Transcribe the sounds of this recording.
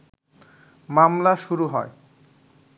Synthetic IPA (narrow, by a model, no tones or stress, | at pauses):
mamlaʃuɾuɦɔe